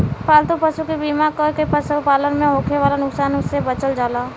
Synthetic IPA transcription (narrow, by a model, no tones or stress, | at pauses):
paːlt̪upəʃukibiːmakəkepəsupaːlənmẽɦõːkʰeʋaːlanʊksaːnʊsːebɐt͡ʃəld͡ʒaːlaː